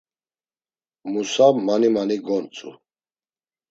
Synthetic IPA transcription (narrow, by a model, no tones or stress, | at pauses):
musamanimaniɡɔnt͡sʼṵ